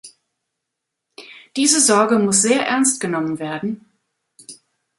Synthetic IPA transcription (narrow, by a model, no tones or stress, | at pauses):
d̥iːzəzɔɐɡəmʊsz̥eːɐʔɛɐnstɡ̥ənɔmənveːɐdn̩